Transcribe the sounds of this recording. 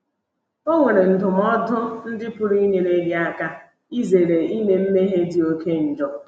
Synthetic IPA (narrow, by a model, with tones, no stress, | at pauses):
o˦ŋʷe˨ɾe˨n̩˨dʊ˨m˦ɔ˦dʊ˦n̩˦dɪ˦pʊ˦ɾi˦ɲe˨ɾe˦ɡɪ˦a˦ka˦ | i˦ze˨ɾe˨i˦me˦m̩˦me˦ɦe˦di˨o˦ke˦n̩˨d͡ʒɔ˦